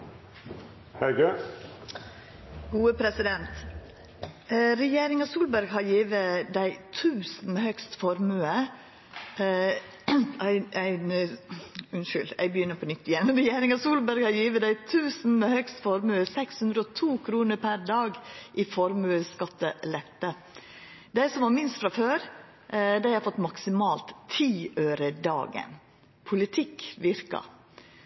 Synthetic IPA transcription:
hɛɾɡʉ | ɡuːəpʰɾɛsɪd̪ɛnt̪ | ɾɛjeːɾɪŋɑsuːlbæɾɡhɑɾjiːʋəd̪æɪt̪ʰʉːsn̩meːhœkst̪fɔɾmʉːə | ʔæɪæɪn | ʉnʃʏlɛ̰ɡbəjʏnːəɾpʰɔnʏt̪ːɪjɛnɾɛjeːɾɪŋɑsuːlbæɾɡhɑɾjiːʋəd̪æɪt̪ʰʉːsn̩mɛhœkst̪fɔɾmʉːəsɛkshʉnd̪ɾəɔt̪ʰuːkʰɾuːnəɾpʰæɾd̪ɑːɡʔɪfɔɾmʉːəskɑt̪ːəlɛt̪ːə | d̪æɪsɔmʋɑɾmɪnst̪fɾɑføːɾ | d̪æɪhɑɾfɔt̪ːmɑksɪmɑːlt̪ʰːiːøːɾəd̪ɑ̰ːɡə̰n | pʰʊlɪt̪ʰɪkːʋɪɾkɑ̰

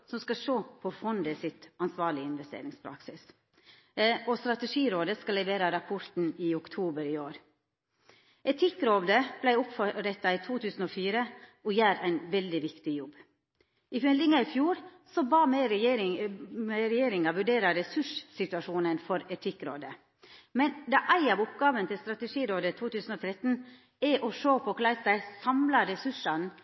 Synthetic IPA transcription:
sɔmskɑʂoːpʰɔfɔnd̪əsɪt̪ɑnsʋɑːɭɪɪnʋɛst̪ḛːɾɪŋspʰɾɑ̰ksɪs | ɔst̪ɾɑt̪ɛʂiːɾoːd̪əskɑlːɛʋeːɾɑɾɑpʰʊɾt̪n̩iːʊkt̪ʰuːbəɾiːoːɾ | ʔɛt̪ʰɪkːɾoːd̪əb̥læɪʊpfɔɾɛt̪ːɑiːt̪ʰuːt̪ʰʉːsn̩ɔːfiːɾəʔɔjæːɾæɪnʋɛld̪ɪʋɪkt̪ɪjɔbː | ɪfɛld̪ɪŋɑɪfjuːɾ | sɔbɑːmɛɾɾɪmɛɾɛjeːɾɪŋɑʋʉɖeːɾɑɾɛsʉʂsɪt̪ʉɑʂuːnənfɔɾɛt̪ʰɪkːɾo̰ːd̪ə | mɛnd̪ɑʔæɪɑʋʊpɡɑːʋənət̪ʰɪlst̪ɾɑt̪ɛʂiːɾoːd̪ət̪ʰuːt̪ʰʉːsn̩oːt̪ʰɾɛt̪n̩ | ɛʔɔʂoːpʰɔkʰlæɪsæɪsɑmlɑɾɛsʉʂɑn

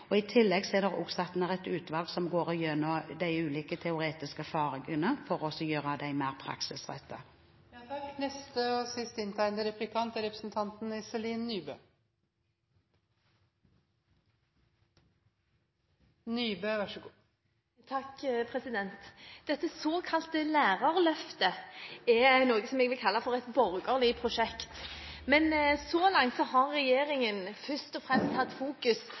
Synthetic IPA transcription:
ɔɪt̪ʰɪlːɛɡsɔɛːd̪əʁʊ̰ksɑt̪n̩æʁɛt̪ʉːt̪ʋɑːlɡsɔmɡoːɾɔjœnːɔd̪æɪʉːliːkət̪ʰɛʊɾeːt̪ɪskəæɾfɑːɾɪŋənəfɔɾʁɔsɔjøːʁəd̪æɪmæːʁpʰɾɑ̰ksɪsʁɛ̰t̪ʰːə | t̪ɑknɛst̪əɔsɪst̪ɪnt̪ʰæɪnd̪əɾɛplɪkʰɑnt̪əɾɛpɾəsn̩t̪ʰɑnt̪n̩ɪsɛliːnːyːbø̰ː | nyːbøːʋʂ | t̪ʰɑkpʰʁɛsɪd̪ɛnt̪d̪̥ɛt̪ːəsoːkʰɑlt̪əlæːʁɑʁlœft̪əɛæɪnoːɡəsɔmɛɡʋɪlkʰɑlːɑfɔʁɛt̪bɔʁɡəʁlɪpʰɾʊʃɛkt̪ | mɛnsɔlɑŋt̪sɔhɑʁːɛjeːɾɪŋənfœʂt̪ɔfʁɛmst̪hɑt̪ːfuːkʉs

